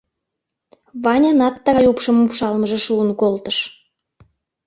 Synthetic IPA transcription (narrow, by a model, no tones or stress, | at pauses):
βɑnʲɑnɑt̪ːɑɣɑjupʃə̆mupʃɑlməʒĕʃuənkolt̪əʃ